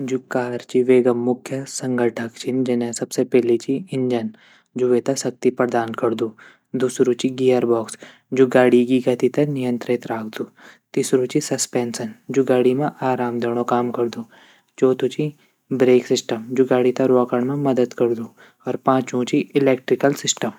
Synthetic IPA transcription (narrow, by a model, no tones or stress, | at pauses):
d͡ʒukaːɾt͡ʃiʋeːɡɐmːʊkʰjəsɐ̃ŋɡʱəʈʰəkt͡ʃʰind͡ʒɐnẽsɐbsepɛɦlit͡ʃiɪ̃ɲd͡ʒən | d͡ʒuʋet̪asɐk̚t̪ipɐɾd̪aːnkɐɾd̪uː | d̪uːsɾũt͡ʃiɡiːəɾbɔːks | d͡ʒuːɡaːɽikiɡɐt̪it̪ɐnɪjə̃nt̪ɾɪt̪ɾaːkʰd̪uːt̪iːsɾũt͡ʃisɐspɛːnsənd͡ʒuɡaːɽimẽʔaːɾaːmd̪eːɽ̃õkaːmkɐɾd̪uː | d͡ʒoːt̪ʰũt͡ʃi | bɾeːksɪsʈəmd͡ʒuɡaːɽit̪ɐɾoːkəɳmẽmɐd̪əd̪kɐɾd̪uː | ɔːɾpãːt͡ʃũt͡ʃiɪleːk̚ʈɾɪkəlsɪsʈəm